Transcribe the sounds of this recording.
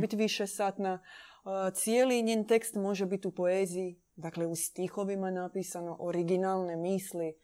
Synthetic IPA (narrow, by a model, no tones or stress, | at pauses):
bit̪ʋiʃesaːt̪na | t̪sijeːliɲeːnt̪e̞kst̪mo̞ʒebit̪upo̞eːziji | d̪akleust̪ixo̞ʋimanapiːsano̞ʔoɾiɡinaːlˠnemiːsli